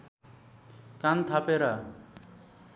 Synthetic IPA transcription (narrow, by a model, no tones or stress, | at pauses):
kant̪ʰapeɾa